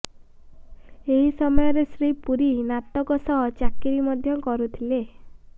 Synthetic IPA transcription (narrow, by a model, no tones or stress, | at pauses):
eɦisɔmɔjɔɾesɾipuɾinat̪ɔkɔsɔɦɔt͡ʃakiɾimɔd̪ʱjɔkɔɾut̪ʰile